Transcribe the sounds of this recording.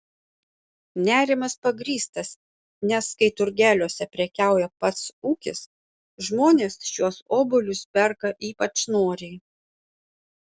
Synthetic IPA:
nʲæːɾʲɪmɐspɐɡɾʲiːst̪ɐs | nʲɛskɐɪt̪ʊɾʲɡʲæːlʲuɔsʲɛpʲɾʲɛkʲæˑʊjɛpɐt̪suːkʲɪs | ʒmoːnʲeːsʃʲuɔsoːbʊlʲʊspʲɛɾkɐʔiːpɐt͡ʃnoːɾʲɛɪ

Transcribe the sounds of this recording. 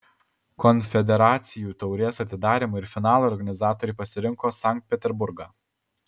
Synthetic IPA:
kɔnʲfʲɛd̪ʲɛɾɑːt̪sʲɪjuːt̪ɔʊɾʲeːsɐt̪ʲɪd̪ɑːɾʲimoɪɾfʲɪnɑːlˠoːɾɡɐnʲɪzɑːt̪oːɾʲɪːpɐsʲɪɾʲɪŋkoːsɑˑŋk̚t̪̚ʲpʲɛt̪ʲɛɾbʊɾɡɑː

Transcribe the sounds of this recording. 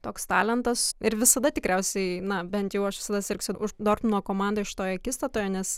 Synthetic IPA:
t̪oːkst̪ɑːlʲɛnt̪ɐsɪɾʋʲɪsɐd̪ɐt̪ʲɪkɾʲɛʊsʲɛɪnɐbʲɛnt̪jɛʊɐʃʋʲɪ̥sɐd̪ɐsʲɪrʲksʲʊʊd̪oːrpnuɔkoːmɑˑnd̪oːɪʃʲɪ̥t̪oːjoɐkʲiːst̪ɐt̪oːjoːnʲɛs

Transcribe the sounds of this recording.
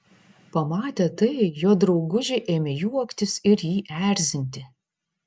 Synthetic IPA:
pɐmɑːt̪ʲet̪ɐɪjoːd̪ɾɒʊɡʊʒʲɪʔeːmʲɛjuɔkt̪ʲɪsɪɾjiːʔæːɾʲzʲɪnʲt̪ʲɪ

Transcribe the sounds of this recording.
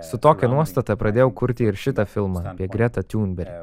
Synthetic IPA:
sʊt̪oːkʲɛnuɔst̪ɐt̪ɐpɾɐd̪ʲeːjɛʊkʊɾʲt̪ʲɪɪɾʃʲɪt̪ɐfʲɪlˠmɐɐpʲiɛɡɾʲɛt̪ɐt̪ʲuːnʲbʲɛɾʲ

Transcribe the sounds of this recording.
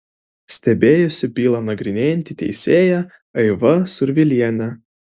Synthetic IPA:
sʲt̪ʲɛbʲeːjʊsʲɪbʲiːlˠɐnɐɡɾʲɪnʲeːjɛnʲt̪ʲɪt̪ʲɛ̰ɪsʲeːjæ | ɐɪʋɐsʊɾʲʋʲɪlʲiɛnʲɛ

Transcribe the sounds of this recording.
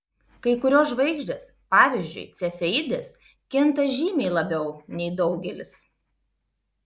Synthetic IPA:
kɐɪkʊɾʲoːsʒʋɐɪɡʒʲd̪ʲeːspɑːʋʲiːˑzʲd͡ʒʲʊ̰ɪt̪sʲɛfʲɛd̪ʲeːs | kʲɪnt̪ɐʒʲiːmʲɛɪlˠɐbʲɛʊnʲɛɪd̪ɒʊɡʲɛlʲɪs

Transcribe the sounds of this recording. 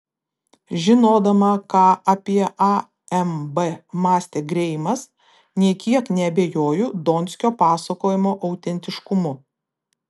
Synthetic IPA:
ʒʲɪnoːd̪ɐmɐkɑːʔɐpʲiɛʔɐ | ɛmbɛmɑːsʲt̪ʲeːɡɾʲɛɪmɐs | nʲiɛkʲiɛknʲɛɐbʲeːjoːjuːd̪oːnʲsʲkʲoːpɑːsɐkoːjɪmoːʔɐʊt̪ʲɛnʲt̪ʲɪʃkʊmʊ

